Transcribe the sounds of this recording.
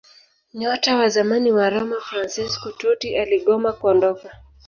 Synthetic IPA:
ɲɔtawazamaniwaɾɔmafɾansiskututiʔaliɠɔmakuɔndɔka

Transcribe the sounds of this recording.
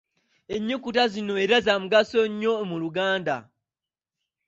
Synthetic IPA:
e̞ɲːikutazino̞eɾazamuɡasoɲːo̞emuluɡaːnda̰

